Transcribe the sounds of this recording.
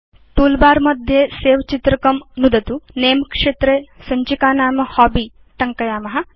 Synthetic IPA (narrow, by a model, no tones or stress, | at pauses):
t̪uːlbaːɾmɐd̪ʱjeːseːʋɐt͡ʃit̪ɾɐkɐmnud̪ɐt̪uneːmkʂeːt̪ɾesɐɲt͡ʃikaːnaːmɐhaːbiː | t̪ɐŋkɐjaːmɐɦɐ̆